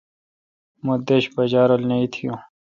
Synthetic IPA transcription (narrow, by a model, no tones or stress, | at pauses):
mod̪eɕbɐd͡ʑaːɾolnɐit̪ʰijõː